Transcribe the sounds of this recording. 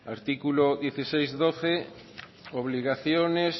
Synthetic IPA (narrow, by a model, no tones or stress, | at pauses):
a̰ɾt̪ikuloðjeθisejzðoθe | oβ̞liɣaθjones